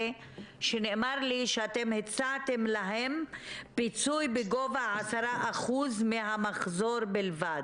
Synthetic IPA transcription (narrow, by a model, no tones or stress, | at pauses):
ʃenemaɾliʃeat̪emhet͡saːt̪e̞mlaɦe̞mpit͡sujbeɡo̞vaʕasaɾaʔaχuzmeɦamaχzo̞ɾbelvad̪